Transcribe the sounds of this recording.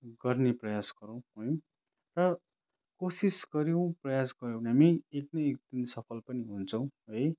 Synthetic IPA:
ɡʌrneprʌjasɡ̥ʌɾʌ̃w̃ɦoj | rʌ | kosisɡʌɾjow̃prʌjasɡʌɾjõw̃nɦamieknʌjek̚d̪insʌpʰʌlpʌniɦunt͡sʰʌw̃ɦoj

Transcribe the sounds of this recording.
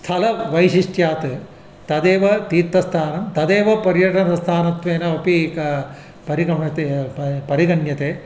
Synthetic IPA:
st̪ʰɐlɐʋɐjʃiʂʈjaːt̪ɨ | t̪ɐd̪eːʋɐt̪iːt̪ːɐst̪ʰaːnɐmt̪ɐd̪eːʋɐpɐɾjɐʈɐnɐst̪ʰaːnɐt̪ʋeːnɐɐpikɐ | pɐɾiɡɐmɐt̪epɐɾiɡɐɳjɐt̪eː

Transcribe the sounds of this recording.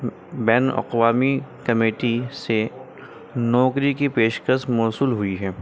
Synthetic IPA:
bɛːnɐ̰qwaːmikɐmeːʈise | nɔːkɾikipeːʃkəsmɔːsuːlɦʊiɦɛː

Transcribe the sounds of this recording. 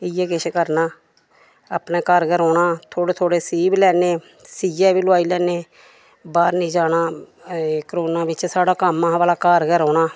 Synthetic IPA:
ɪjɛːkɪʃkəɾnãː | aːpnẽːkaːɾɡəɾɔːnaːt̪ʰoːɽeːt̪ʰoːɽeːsiːblɛːneː | siːd͡ʒɛːʋiːlʊaːiːlɛːneː | baːɾnĩːd͡ʒaːnaː | kɾoːnãːbɪt͡ʃsaːɽaːkamːãːʋaːlaːkaːɾɡəɾɔːɳaː

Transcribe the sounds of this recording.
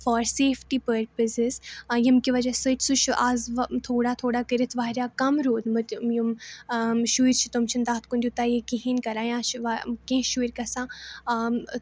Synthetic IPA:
fɔːɾseːfʈiːpəɾpəsɪzjimkiʋɐd͡ʒasəʈʰʲsut͡ʃʰaːzt̪ʰoːɽaːt̪ʰoːɽakəɾit̪ʰʋaːɦɾʲjaːkɐmɾoːd̪mɨt̪jum | ʃuiɾʲt͡ʃʰi̥t̪umt͡ʃʰind̪aːt̪ʰkũnd̪jut̪aːjekiɦinʲkɐɾaːjãːt͡ʃʰʋakẽʃuiɾʲkɐsãː

